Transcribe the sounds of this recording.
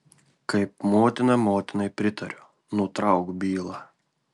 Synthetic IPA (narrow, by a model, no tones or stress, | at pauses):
kɐɪpmoːt̪ʲɪnɐmoːt̪ʲɪnɐɪpʲɾʲɪt̪ɐɾʲʊ | nut̪ɾɐʊɡbʲiːlˠɑ